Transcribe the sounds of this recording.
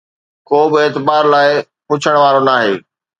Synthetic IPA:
koːbɪeːt̪ɪbaːɾlaːɪ | pʊt͡ɕʰəɽ̃ʋaːɾonaːɦeː

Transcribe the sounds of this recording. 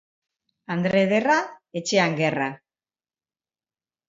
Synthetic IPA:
and̪ɾe̞ðerae̞t͡ʃe̞aŋɡe̞ra

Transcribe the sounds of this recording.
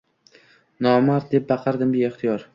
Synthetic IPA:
nɒmaɾ̚d̪e̞p̚bɑqʰɑɾd̪ɪmbɪeχt̪ʰijɒɾ

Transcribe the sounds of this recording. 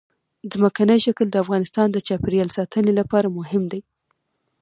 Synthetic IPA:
zməkanəjʃakəld̪əafɣɑnɪst̪ɑnd̪ət͡ʃɑpɾijɑlsɑt̪ʰənelapɑɾamʊɦɪmd̪aj

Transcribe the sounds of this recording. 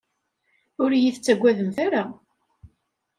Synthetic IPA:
ʊɾjiθət͡sːæɡʷːæðəmθæɾa

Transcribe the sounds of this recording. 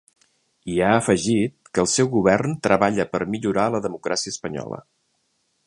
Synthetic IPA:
iaəfəʒit̪̚kəlˠsɛwɣuβɛrnt̪ɾəβaʎəpəɾmiʎuɾaləðəmukɾʔasiəspəɲɔ̰lə̰

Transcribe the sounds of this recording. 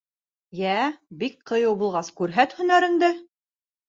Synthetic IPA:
jæbik̚qɤ̆jɤwbulˠʁɑskʉɾɦæt̪hɵ̆næɾɘ̆nd̪ɘ

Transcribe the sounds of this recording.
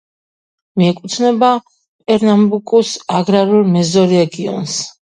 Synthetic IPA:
miɛkʼut̪ʰnɛba | pʼɛɾnambukʼusaɡɾaɾulˠmɛzɔɾɛɡiɔ̰ns

